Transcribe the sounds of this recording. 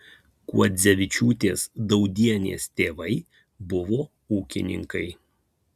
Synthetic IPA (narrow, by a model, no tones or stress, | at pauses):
kṵɔzʲɛʋʲɪt͡ʃʲuːt̪ʲeːsd̪ɒʊd̪ʲiɛnʲḛːst̪ʲeːʋɐɪ | bʊʋoː | uːkʲɪnʲɪ̰ŋkɐɪ